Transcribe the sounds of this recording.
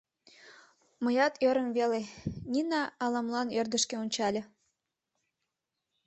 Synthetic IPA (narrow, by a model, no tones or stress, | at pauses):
məjɑt̪ʰøɾə̆mβelenʲinɑːlɑmlɑnørd̪əʃkeunʲt͡ɕɑlʲĕ